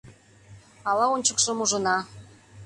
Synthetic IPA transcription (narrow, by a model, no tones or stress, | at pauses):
ɑlɑonʲt͡ɕəkʃə̆muʒə̆nɑ